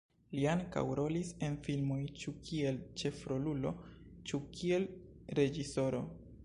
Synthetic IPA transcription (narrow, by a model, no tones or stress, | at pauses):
lianka̰wɾo̞lise̞nfilmo̞jt͡ʃukʰie̞lt͡ʃe̞fɾo̞lulo̞̰ | t͡ʃukʰie̞l | ɾe̞d͡ʒiso̞ɾo̞̰